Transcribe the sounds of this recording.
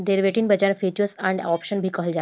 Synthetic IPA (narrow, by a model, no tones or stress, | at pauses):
d̪eɾʋeʈiːnbʱəd͡ʑaɳfet͡ɕəsæ̃ɳɖɔpɕənbʱiːkəɦəld͡ʑa